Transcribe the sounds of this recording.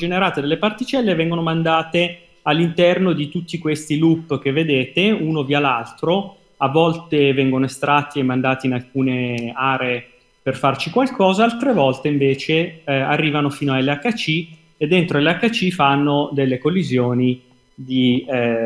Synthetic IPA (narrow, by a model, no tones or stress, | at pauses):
d͡ʒeneɾaːt̪ed̪elːepart̪it͡ʃɛlːevɛŋɡonomand̪aːt̪e | alːint̪ɛrnod̪it̪ut̪ːikwest̪ilupːk̟evːed̪eːt̪euːnovialalt̪ɾo | avːɔlt̪evɛŋɡonoest̪ɾat̪ːiemːand̪aːt̪inalkuːneaːɾeː | perfart͡ʃikwalkɔːzaalt̪ɾevɔlt̪eiɱveːt͡ʃearːiːvanofiːnoaleakːat͡ʃːi | ed̪ːent̪ɾoleakːat͡ʃːifanːod̪elːekolːizjoːni | d̪i